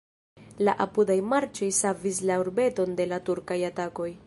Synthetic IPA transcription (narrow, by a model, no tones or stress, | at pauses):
laʔapudajmaɾt͡ʃo̞jsavis̬lauɾbe̞to̞nde̞latuɾkajatako̞j